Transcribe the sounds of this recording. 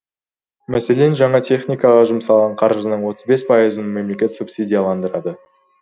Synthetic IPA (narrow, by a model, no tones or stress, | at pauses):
mæse̞le̞nʒɑɴɑt̪ʰʲe̞χnʲijkɑʁɑʒʊmsɑlˠʁɑɴqʰɑɾʒənəɴwo̞t̪əzbe̞spʰɑjəzənme̞mle̞kʲe̞t̪supsʲid̪ʲijalˠɑnd̪əɾɑd̪ə